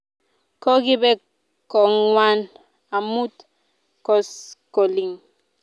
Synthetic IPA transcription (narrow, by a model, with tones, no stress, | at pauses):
kɔ˦ki˦bɛ˦ | kɔ˨ŋwa˦n | a˨mu˦t̪ | kɔ˦sko˨li˨ŋ